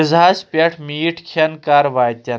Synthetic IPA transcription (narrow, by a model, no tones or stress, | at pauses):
zʱaːspʲɐʈʰmiːʈʰkʰɐnkaɾʋaːjt̪ʲɐn